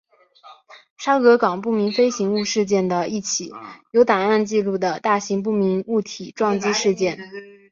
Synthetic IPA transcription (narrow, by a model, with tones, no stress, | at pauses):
ʂa˥kɤ˧˥kɑ˨˩ŋpu˥˩mi˧˥nfe˥ɪɕi˧˥ŋu˥˧ʂɻ̩˥˧t͡ɕjɛ˥˩nd̪ə˩i˥˩t͡ɕʰi˨˩˦jo˧˥ʊt̪a˨˩ŋa˥˧nt͡ɕi˥˧lu˥˩d̪ə˩t̪a˥˩ɕi˧˥ŋp̬u˥˩mi˧˥nu˥˩t̪ʰi˨˩˦ʈ͡ʂwɑ˥˧ŋt͡ɕi˥ʂɻ̩˥˧t͡ɕjɛ˥˩n